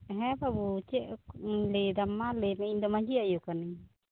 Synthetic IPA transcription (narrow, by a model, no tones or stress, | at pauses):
ɦɛ̃pabut͡ʃɛʔled̪amːalemɛind̪ɔmaɲd͡ʒiajukani